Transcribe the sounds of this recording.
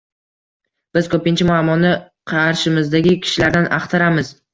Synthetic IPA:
b̥ɪz̥kʲʰɵpɪnt͡ʃʰɪmʊamːɒnːɪ | qʰɑɾʃɪmɪzd̪aɡʲɪkʲʰɪ̥ʃɪlaɾd̪anɑqt̪ʰɪɾamɪz

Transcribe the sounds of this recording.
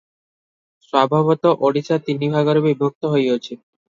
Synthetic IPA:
ʃwabʱabot̪oʔoɽit͡ɕat̪inibʱaɡoɾbibʱok̚t̪oɦojot͡ɕʰi

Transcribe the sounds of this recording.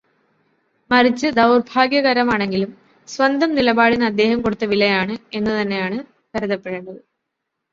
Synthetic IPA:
mɐrit͡ɕːɨd̪ɐwrbʱaːɡjɐɣɐɾɐmaːɳe̞ŋɡilum | swɐnd̪ʱɐmnilɐbaːɽinɨɐd̪ːe̞ːhɐmko̞ɽut̪ːɐʋilːɐjaːɳɨe̞nːɨt̪ɐnːe̞jaːɳɨ | kɐɾuðɐpːeɻeɳɖɐðɨ

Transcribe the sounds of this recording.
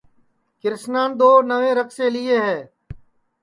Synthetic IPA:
kɪɾsnaːnd̪oːnəʋẽːɾəkseːliːeːɦɛː

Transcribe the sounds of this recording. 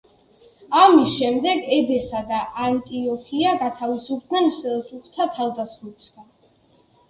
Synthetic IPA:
amisʃɛmd̪ɛɡɛd̪ɛsad̪aʔant̪ʼiɔkʰiaɡat̪ʰavizub̚d̪nɛnsɛlsuχt̪ʰat̪ʰavd̪asχibsɡan

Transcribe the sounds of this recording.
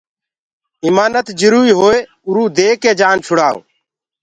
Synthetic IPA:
ɪːmaːnət̪d͡ʒʊɾuːiːɦoːeː | ʊɾuːd̪eːkeːd͡ʒaːnt͡ʃʰʊɽaːo̰ː

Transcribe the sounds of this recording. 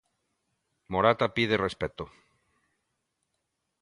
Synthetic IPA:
moɾat̪apið̞erespet̪o

